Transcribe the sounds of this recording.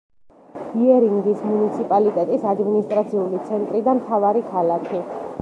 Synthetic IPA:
hiɛɾiŋɡismunit̪sʰipʼalit̪ʼɛt̪ʼisad̪minist̪ʼɾat̪sʰiulit̪sʰɛnt̪ʼɾid̪amt̪ʰavaɾikʰalakʰi

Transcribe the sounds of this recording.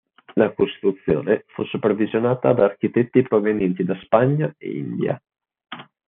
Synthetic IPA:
lakost̪ɾut̪sːjo̰ːnefusːupervizjonaːt̪ad̪aːrk̟it̪ɛt̪ːipɾovenjɛnt̪id̪aspaɲːaḛḭnd̪ja̰

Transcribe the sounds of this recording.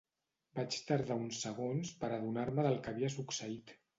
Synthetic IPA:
bat͡ʃt̪aɾðaunsəɣ̞onspəɾəðunaɾməðəlˠkəβiəsuksəit̪

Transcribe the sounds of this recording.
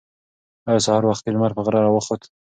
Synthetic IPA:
ajsɑhɑɾwaxt̪̚ilmaɾpəɣɾɑɾɑwəxot̪

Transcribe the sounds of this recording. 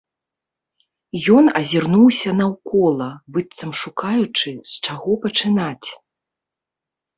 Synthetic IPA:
jɔnɐzʲirnuwsʲɐnɐwkɔlˠɐbɨt̪sɐmʂukajut͡ʂɨst͡ʂaɣɔpɐt͡ʂɨnat͡sʲ

